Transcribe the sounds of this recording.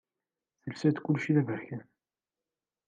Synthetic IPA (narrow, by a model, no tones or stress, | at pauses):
θəlsæt̪kʊlːʃiðævəçæn